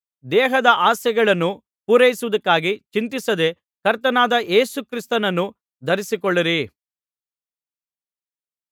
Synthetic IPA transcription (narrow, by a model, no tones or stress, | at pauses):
d̪ɛːɦɐd̪ɐʔaːsjɐɡɐɭɐnːu | puːɾɐjisuʋud̪ɐkːaːɡit͡ʃint̪isɐd̪e̞ | kɐɾt̪ɐnaːd̪ɐʔe̞ːsukɾist̪ɐnɐnːu | d̪ʱɐɾisikɔɭːiɾi